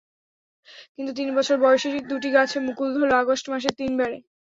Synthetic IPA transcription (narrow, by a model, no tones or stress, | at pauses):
kint̪ut̪̬inbɔt͡ɕʰoɾbɔoʃeʈid̪uʈ̬iɡat͡ɕʰemukuld̪ʱoloaɡoʃʈmaʃ̬et̪inbɛɾe